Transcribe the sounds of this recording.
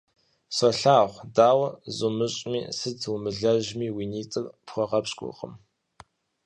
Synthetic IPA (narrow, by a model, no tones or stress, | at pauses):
sɐɬaːχʷdaːwɐzʊmɨɕʼmḭːsɨd͡zwʊmɨɮɐʒmiːwiːniːt͡sʼɨrpχʷɔʁɐpɕɡʷʼʊ̰qʼə̰m